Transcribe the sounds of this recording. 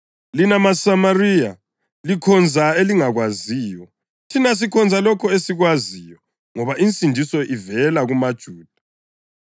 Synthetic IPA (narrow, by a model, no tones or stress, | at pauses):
linamasamarija | likʰɔnd͡zʱaeliŋaɣwazijɔ | tʰinas̬ikʰɔnd͡zʱalɔkʰɔesiɣwazijɔ | ŋɔβaʔint͡sʼindʱisɔʔivɛlaɣumad̥ʒ̥ʱuːd̥ʱḁ